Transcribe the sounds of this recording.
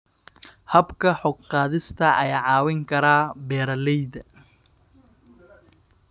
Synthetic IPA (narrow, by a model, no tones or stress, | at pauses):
hɐbkʰɐħɔɡqɑːðɪst̪ʰɐʔɐjaːʕɑːwɪŋkʰɐɾaːbɛːɾɐlɛjðɐ